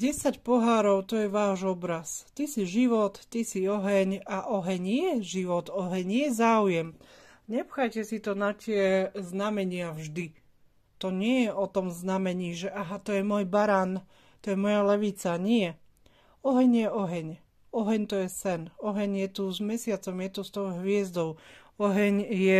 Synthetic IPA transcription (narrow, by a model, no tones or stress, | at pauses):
ɟɛsacpɔɦaːɾɔʊt̪ɔjɛʋaːʒɔbɾast̪isiʒiʋɔt̪ːisiɔɦɛɲaʔɔɦɛɲjɛʒiʋɔt̪ɔɦɛɲjɛzaːujɛm | ɲɛpxajcɛsit̪ɔnat̪ɪɛznamɛɲɪavʒd̪i | t̪ɔɲɪɛjɛʔɔt̪ɔmznamɛɲiːʒɛʔaɦat̪ɔjɛmʊɔjbaɾaːn | t̪ɔjɛmɔjalɛʋit͡saɲɪɛ | ɔɦɛɲjɛɔɦɛɲ | ɔɦɛɲt̪ɔjɛsɛnɔɦɛɲjɛt̪uzmɛsɪat͡sɔmjɛt̪ust̪ɔʊɦʋɪɛzd̪ɔʊ | ɔɦɛɲjɛ